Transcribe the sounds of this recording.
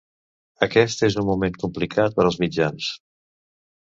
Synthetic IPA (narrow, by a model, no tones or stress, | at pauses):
əkɛst̪ezunmumeŋkumplikʰat̪̚pəɾəlzmid͡ʒans